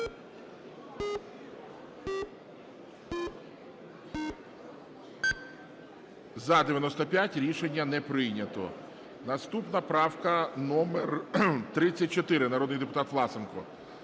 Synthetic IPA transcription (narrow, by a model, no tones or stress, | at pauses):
zɐd̪eʋjɐnɔst̪ɔpʲjatʲɾʲiʃenʲːɐnɛpɾɪjnʲɐt̪ɔ̰ | nɐst̪upnɐpɾɑwkɐnɔmert̪ɾɪt͡sʲːɐt̚ʲt͡ʃɔt̪ɪɾɪnɐɾɔd̪nɪjd̪epʊt̪ɑt̪ʋlˠɑsenkɔ̰